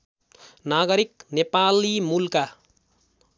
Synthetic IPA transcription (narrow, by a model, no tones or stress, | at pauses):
naɡʌɾiknepalimulka